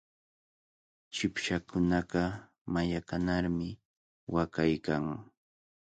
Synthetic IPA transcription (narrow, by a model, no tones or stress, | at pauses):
t͡ʃɪpʃakʊnaɢɑ | majakanaɾmɪ | wakajkaŋ